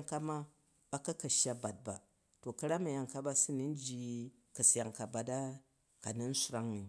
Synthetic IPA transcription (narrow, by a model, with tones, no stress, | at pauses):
ŋka˦ma˦ | ba˦kɐ˦kɐ˨ʃa˦ba˨t̚ba̰˨ | to˨kɐ˦ɾa˦mɐ˨ja˨ŋka˦ba˦si˦ni˦n̩˦d͡ʒi˦ | kɐ˨sja˨ŋka˨ba˨da˦ | ka˨ni˦n̩˦su˦ɾa˦ŋni˨